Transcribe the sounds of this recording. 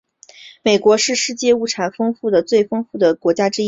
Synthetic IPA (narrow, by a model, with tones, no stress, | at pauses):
me˨˩ɪkwɔ˧˥ʂɻ̩˥˧ʂɻ̩˥˧t͡ɕjɛ˥˧u˥˩ʈ͡ʂʰa˨˩nfɤ˥ŋfu˥˩d̪ə˩t͡swe˥˩ɪfɤ˥ŋfu˥˩d̪ə˩kwɔ˧˥t͡ɕja˥ʈ͡ʂɻ̩˥